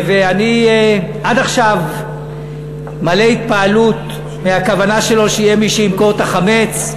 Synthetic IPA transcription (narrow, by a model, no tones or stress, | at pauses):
veanijeʔadaχʃav | maleit̪̚paalut̪ | meakavanaʃe̞lo̞ʃejemiʃeimkoʁt̪aχame̞t͡s